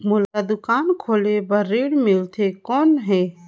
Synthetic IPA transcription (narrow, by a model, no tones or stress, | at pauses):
mʊlkad̪ʊkaːnkʰoːlebəɾːeːɽmɪlt̪ʰekɔːnɦɛː